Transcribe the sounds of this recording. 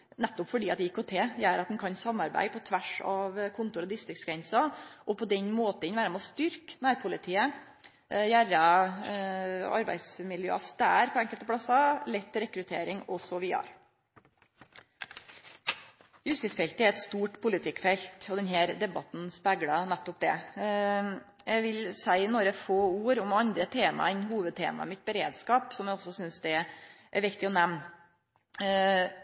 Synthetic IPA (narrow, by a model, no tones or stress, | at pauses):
næt̪ːɔpfɔɖiːɑt̪d̪ɛɪkːɔt̪ʰeːjæːɾɑt̪d̪nkʰɑnsɑmːɑɾbæ̰ɪpʰɔt̪ʰʋæʂɑʋkʰʊnt̪ʊɾɔd̪ɪst̪ɾɪksɡɾɛnsɑʔɔpʰɔd̪ɛɲmoːt̪əɪnʋæːɾəmɛɔst̪ʏɾknæːɾpʰʊlɪt̪ʰiːə | jæɾɑ | ɑ̰ɾbæ̰ɪd̪smɪljø̰ːɑst̪æːɾpʰɔɛŋkəlt̪əpʰlɑsːɑlɛt̪ʰːɪɾɛkɾʉt̪ʰḛːɾɪŋɔsɔʋɪɑ̰ɾ | jʉst̪ɪsfɛlt̪əæɾɛt̪st̪uːʈpʰʊlɪt̪ʰɪkːfɛlt̪ɔd̪ɛnɦæːɾd̪ɛbɑt̪n̩spæɡɽɑnæt̪ːɔp̚d̪ɛ̰ | jæɪʋɪlsæɪɪnɔɾəfoːuːɾɔmɑnd̪ɾət̪ʰeːmɑ̰ɛnɦuːʋəd̪̚t̪ʰḛːmɑ̰mɪt̪̚bəɾeːd̪skɑːpsɔmjæɪɔsːɔsʏnsd̪ɛʔæɾʋɪkt̪ɪɔnæmn